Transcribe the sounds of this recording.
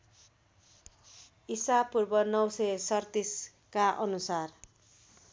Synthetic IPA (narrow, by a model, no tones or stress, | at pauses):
isapurbʌnʌwsʌsʌrt̪is | kaʔʌnusar